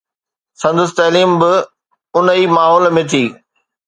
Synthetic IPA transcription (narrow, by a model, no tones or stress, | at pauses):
sɐ̃nd̪ʊs̬t̪ɐːliːmbɪ | ʊnəiːmaːɦɔːlmẽt̪ʰiː